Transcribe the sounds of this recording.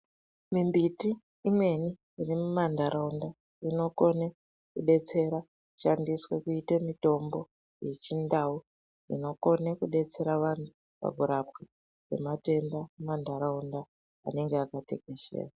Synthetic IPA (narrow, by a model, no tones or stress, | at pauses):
mimbitiː | mwe̞niː | rimumandaɾaunda | ino̞ko̞ne | kuɗe̞t͡se̞ɾa | kku̥ʃandiswe̞kuitemito̞mbo̞ | jet͡ʃindau | ḭno̞ko̞nekuɗe̞t͡se̞ɾaʋanu | pa̰ɡʱuɾap̚i | wḛmate̞ndamandaɾaunda̰ː | ne̞ŋɡeakate̞ke̞ʃḛːra